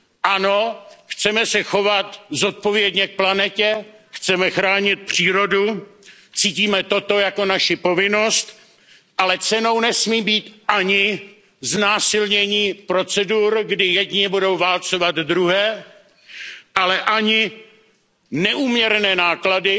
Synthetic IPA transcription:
ʔano̞xt͡sɛmɛsɛxo̞vat̪zo̞t̪̚po̞vjɛdɲɛk̚planɛcɛxt͡sɛmɛxɾaːɲɪt̪̚pr̥iːɾo̞du | t͡siːciːmɛt̪o̞t̪o̞jako̞naʃɪpo̞vɪno̞st̪ | ʔalɛt͡sɛnownɛsmiːbiːt̪ʔaɲɪ | znaːsɪlɲɛɲipɾo̞t͡sɛduɾɡdɪjɛdɲɪbudo̞wvalt͡so̞vad̪dɾuɦɛː | ʔalɛʔaɲɪ | nɛʔuːmɲɛɾnɛːnaːkladɪ

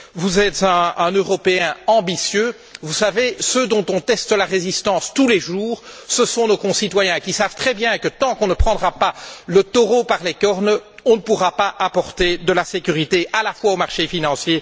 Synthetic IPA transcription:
vuzɛt̪zɛ̃ːnøʁɔpeɛ̃ɑ̃bisjø | vusavesød̪ɔ̃t̪ɔ̃t̪ɛst̪laʁezist̪ɑ̃st̪uleʒuːʁsəsɔ̃nokɔ̃sit̪wajɛ̃kʲisavt̪χɛbjɛ̃kət̪ɑ̃kɔ̃nəpχɑ̃d̪ʁapalət̪ɔʁopaʁlekɔʁnɔ̃nəpuʁapaʔapɔʁt̪ed̪əlasekʲyʁit̪eʔalafwaomaʁʃefinɑ̃sje

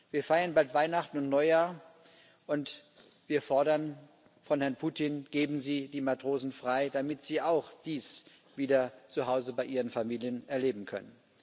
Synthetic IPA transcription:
viːɐfaɪɐnbaltv̥aɪnaχtn̩ʊntnɔʏjaːɐ | ʔʊnt | v̥iːɐfɔɐɾɐn | fɔnhɛɐnpʰuːtinɡ̥eːbm̩ziːdiːmatʁ̥oːzn̩fʁ̥aɪd̥amɪtz̥iːʔaʊxd̥iːs | v̥iːdɐt͡suɦaʊzəbaɪʔiːʁənfamiːljənɛɐleːbm̩kʰœ̰nən

